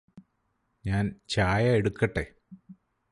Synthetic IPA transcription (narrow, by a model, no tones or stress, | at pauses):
ɲaːnt͡ɕaːjɐeɽukːɐʈːe̞